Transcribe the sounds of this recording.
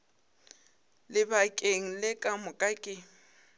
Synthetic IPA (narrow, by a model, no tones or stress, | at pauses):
lɪbakʼeŋ̩lɪkʼamʊkʼakʼɪ